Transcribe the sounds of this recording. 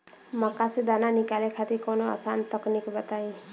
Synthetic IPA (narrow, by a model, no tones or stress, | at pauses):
makasid̪ananikalekʰat̪ikonoa̰sant̪ɔknikbat̪aj̃